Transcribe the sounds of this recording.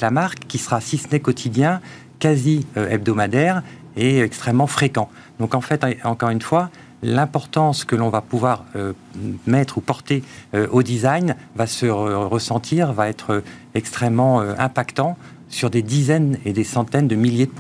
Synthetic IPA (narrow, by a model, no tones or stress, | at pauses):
lamaʁkːisəʁasisnekɔt̪ʰid̪jɛ̃ | kaziøɛb̚d̪ɔmad̪ɛʁ | eɛkst̪χɛmːɑ̃fχekɑ̃ | d̪̥ɔ̃kɑ̃fɛt̪ɑ̃kɔʁynfwa | lɛ̃pɔʁt̪ɑ̃skəlɔ̃vapuvwaʁø | mɛt̪χupɔʁt̪eøʔod̪izajnvasəʁəsɑ̃t̪ʰiʁvaɛt̪χøɛkst̪χɛmːɑ̃øɛ̃pakt̪ɑ̃ | syʁd̪ed̪izɛned̪esɑ̃t̪ɛnd̪əmiljed̪əp